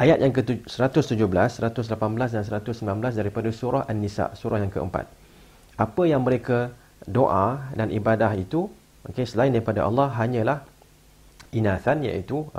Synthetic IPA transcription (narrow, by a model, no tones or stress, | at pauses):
ʔajat̪̚jaŋkəsəɾat̪ʊst̪ud͡ʒʊhbəlasːəɾat̪ʊs̬lapanblas̬dans̬əɾat̪ʊsəmbilanbəlasdaɾipadasuɾɔhʔanːisa̰ʔsuɾɔhjaŋkə̰ə̰mpa̰t̪̚ | ʔapəjaŋməɾeka | doʔadanʔibadaɦit̪u | mokesəlaindaɾipada̰ʔɑ̰lːɑɦaɲə̃lah | inaθanja̰it̪u